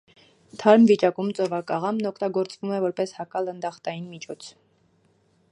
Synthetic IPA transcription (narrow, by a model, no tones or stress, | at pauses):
t̪ʰɑɾmvit͡ʃɑkumt͡sɔvɑkɑʁɑmnɔkʰt̪ɑɡɔɾt͡svumɛvɔɾpɛshɑkɑlənd̪ɑχt̪ɑjinmit͡ʃʰɔt͡sʰ